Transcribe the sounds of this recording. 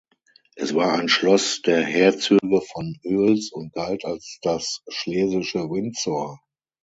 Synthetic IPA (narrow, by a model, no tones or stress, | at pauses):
ʔɛsv̥aːɐaɪnʃlɔsd̥eːɐhɛːɐt͡syːɡəfɔnʔøːlsʊnt̚ɡ̥altalsd̥asʃleːzɪʃəvɪnt͡sɔɐ